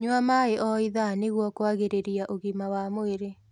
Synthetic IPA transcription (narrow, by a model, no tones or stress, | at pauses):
ɲwamaeʔɔiðaneɣwɔkoaɣeɾeɾiaʔoɣimawamoeɾe